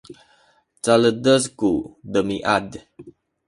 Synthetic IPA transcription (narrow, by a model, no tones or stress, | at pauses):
t͡saləd̪əskudəmiʔad